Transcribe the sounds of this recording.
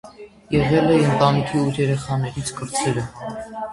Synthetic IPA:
jɛʁɛlɛənt̪ɑnikʰiuɾjɛɾɛχɑnɛɾit͡sʰkəɾt͡sʰɛɾə

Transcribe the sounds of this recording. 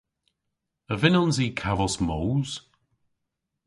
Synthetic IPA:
əvɪnɔnziːkʰavɔsmowz̥

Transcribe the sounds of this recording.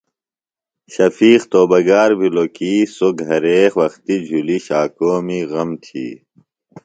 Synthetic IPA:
ɕɐfiːqt̪oːbɐɡaːɾbʱilokiːsoɡʱɐɾeːxʋɐxt̪id͡ʑʱuliɕaːkoːmiɣɐmt̪ʰḭː

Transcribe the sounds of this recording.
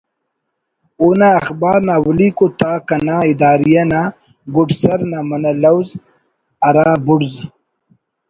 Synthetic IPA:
unaːxbɑːɾnawlikot̪akanaɪd̪aːɾijana | ɡʊɖsaɾnamanalawz | aɾaːbʊɽz

